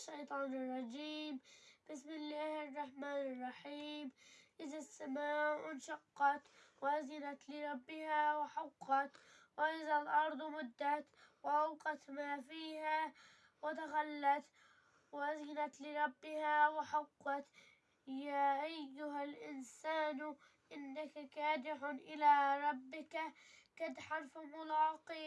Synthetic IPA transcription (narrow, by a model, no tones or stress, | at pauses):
ʃːajt̪ˤɑːnɪrˤːɑd͡ʒiːmb̥ɪsmɪlːaːhɑrˤːɑħmaːnɑrˤːɑħiːmʔɪðasːamaːwɪnʃɑqːɑt̪wʔazɪnat̪lɪɾˤɑbːɪhawɪħɑqːɑt̪ | wɪʔɪðalʔɑɾˤd̪ˤmʊd̪ːat̪wʔawqɑt̪maːfiːha | wɪt̪axalːat̪ | wɪʔazɪnat̪lɪɾˤɑbːɪhawɪħaqːɑt̪ | jaːʔajːʊɦalʔɪnsaːn | ʔɪnːakakaːd̪ɪʕʊnʔɪlaɾˤɑbːɪkakad̪ħɑɾˤfmʊlɑːqi